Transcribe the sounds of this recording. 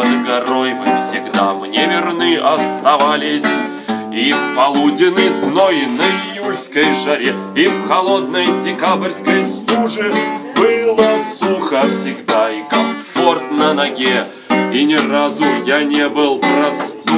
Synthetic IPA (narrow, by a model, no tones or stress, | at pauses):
əd̪ɡɐɾojvɨfsʲɪɡd̪amnʲevʲɪrnɨʔɐst̪ɐvalʲɪsʲ | ifpɐlˠudʲɪnəsnojnəɪjulʲskəjʐɐɾʲeifxɐlˠo̞d̪nəjdʲɪkabɨrʲskəjst̪uʐɨbɨlˠəsuxəfsʲɪɡd̪aikɐɱfo̞rt̪nənɐɡʲe | inʲɪrazʊjanʲebɨlˠpɾɐst̪